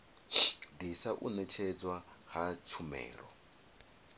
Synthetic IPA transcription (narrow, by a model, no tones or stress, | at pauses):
d̪isaʔunɛt͡ʃʰɛd͡zwahat͡sʰumɛ̰ːɾɔ